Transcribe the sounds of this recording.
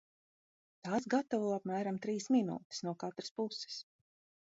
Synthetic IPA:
t̪aːsɡat̪avuːapmæːɾamt̪ɾiːsminṵːt̪i̥snuɔkat̪ɾḁspusɪ̥s

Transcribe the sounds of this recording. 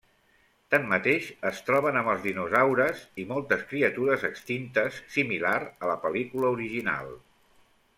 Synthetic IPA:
t̪amːət̪eʃəst̪ɾɔβ̞ənəməlˠzðinuzawɾəzimɔlˠt̪əskɾiət̪uɾəzəkst̪int̪əsːimilaɾələpəlikuləuɾiʒina̰lˠ

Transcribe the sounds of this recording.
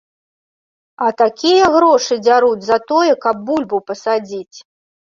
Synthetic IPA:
ɐt̪akʲijɛɣɾɔʂɨd͡zʲaɾud͡zʲzɐt̪ɔjɛkɐb̚ːulʲbupɐsad͡zʲit͡sʲ

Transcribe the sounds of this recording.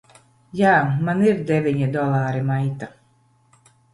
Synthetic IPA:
jaːmaniɾd̪ʲɛvʲiɲid̪ɔlˠaːɾimajt̪a

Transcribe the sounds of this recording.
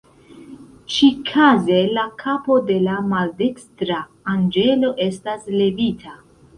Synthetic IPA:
t͡ʃikʰaze̞lakʰapo̞de̞lamalde̞kstɾaː | nd͡ʒe̞lo̞ʔe̞stasle̞vitʰa

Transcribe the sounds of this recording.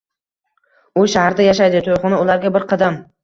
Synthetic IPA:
ʊʃahaɾd̪ajaʃ̬ajd̪ɪt̪ʰojqʊnɪʊlaɾɡʲabɪɾqʰɑd̪am

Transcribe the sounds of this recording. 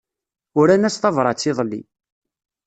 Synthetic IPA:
ʊɾænæst̪ɑvɾˤɑt͡sːiðˤlːḭ

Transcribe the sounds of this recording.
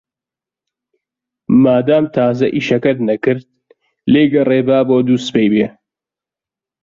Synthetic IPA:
maːd̪aːmt̪ʰaːzɐʔiːʃɐkɐt̪nɐkɨɾd̪̚ | leːjɡɐreːbaːboːd̪uːspejbeː

